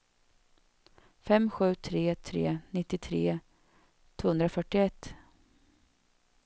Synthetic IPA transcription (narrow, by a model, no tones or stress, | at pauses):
fɛmɧʉ̟ːt̪ʰɾeːt̪ʰɾḛːnɪt̪ːɪt̪ʰɾeː | t̪ʰv̥oːhɵnd̪ɾafœʈːɪɛt̪ː